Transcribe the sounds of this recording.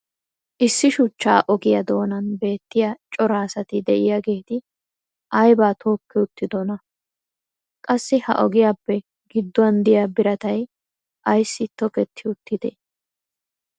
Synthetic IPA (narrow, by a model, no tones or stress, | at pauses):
ʔɪsːɪʃʊt͡ʃːaːʔɔɡɪjɐd̪o̞ːnɐnbe̞ːt̪ːɪjat͡ʃʼɔɾaːsɐt̪ɪd̪ɛʔɪjaɡe̞ːt̪ɪ | ʔɐjbaːt̪ʰo̞ːkːɛʊt̪ːɪd̪ɔnɐ | kʼɐsːɪhɐ̰ʔɔɡɪjaːpːɛ | ɡɪd̪ːɔɐnd̪ɪjaːbɪɾɐt̪ɐj | ʔɐjsːɪt̪ːɔkɛt̪ʰːɪʊt̪ːɪd̪ɛ̰